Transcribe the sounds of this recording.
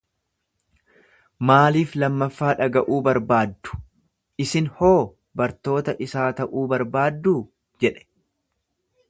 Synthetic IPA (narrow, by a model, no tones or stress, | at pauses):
maːliːflɐmːɐfːaːᶑɐɡɐʔuːbɐɾbaːd̪ːʊ̥ | ʔɪsɪnho̞ː | bɐɾt̪o̞ːt̪ɐʔɪsaːt̪ɐʔuːbɐɾbaːd̪ːuː | d͡ʒɛᶑɛ̥